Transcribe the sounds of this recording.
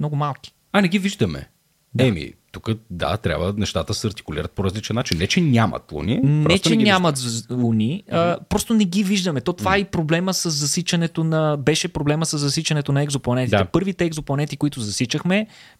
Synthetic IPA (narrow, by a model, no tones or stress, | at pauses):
mnɔɡʊmalˠki̥ | ɐnɛɡiviʒd̪əmɛ̰ | d̪ɛmḭt̪ukəd̪a̰t̪ɾʲa̰bvənɛʃt̪at̪əsɐɾt̪i̥kʊlḭɾət̪̚poɾɐzlit͡ʃɛnːat͡ʃinːɛt͡ʃɛnʲamɐ̰t̪lˠṵnḭnp̪ɾɔɛt͡ʃɛnʲamɐt̪lˠunʲiəpɾɔst̪onɛɡiviʒd̪əmɛt̪ot̪vaipɾoblɛməsəzːɐsit͡ʃɐnɛt̪onɐbɛʃɛpɾoblɛməsəzːɐsit͡ʃɐnɛt̪onɐɛɡzoplˠɐnɛt̪it̪ɛpɤɾvit̪ɛɛɡzoplˠɐnɛt̪ikʊit̪ʊzɐsit͡ʃəxmɛ